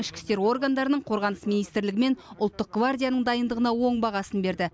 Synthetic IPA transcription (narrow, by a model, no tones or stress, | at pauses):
ɪʃkʲɪ̥st̪e̞ɾwo̞rɡand̪ɑɾənəɴqʰo̞ɾʁɑnəsminijst̪ɾlɪɡʲɪme̞nʊlˠt̪ːəq̚ɡ̥vard̪ʲijanəɴd̪ɑjənd̪əʁənɑwo̞ɴbɑʁɑsənbe̞ɾd̪ɪ